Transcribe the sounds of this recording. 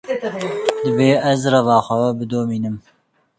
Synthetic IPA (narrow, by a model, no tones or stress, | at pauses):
d̪ɨbeːʔɛzrɐvɑːxʷɛbɨd̪oːmiːnɨm